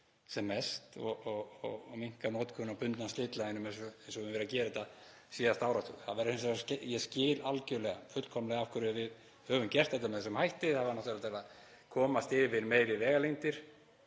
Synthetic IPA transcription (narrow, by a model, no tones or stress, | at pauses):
sɛmːɛst̪ɔ̰ɣɔɣɔɣmiŋ̥kanoːt̪kʰʏnapʏnt̪nast̪lɪːt̪laɪnʏmensɔensɔvvɛɾacɛːɾɪɛt̪a | siːðast̪aːwɾat̪ṵθaðvɛɾɪhɪns̬ascjɛscɪːlalcœlɛɣa̰fʏt̪l̥kʰɔmlɛɣafkʰʏɾɪvɪð | hœːvʏmcɛr̥t̪hɛt̪̬ːamɛθɛsɛmhajht̪ɪθaðvaɾnɔht̪vɛɾat̪ʰɪlað | kʰɔːmast̪ɪvɪɾmeːjɾɪvɛːɣalejnt̪ɪɾ̥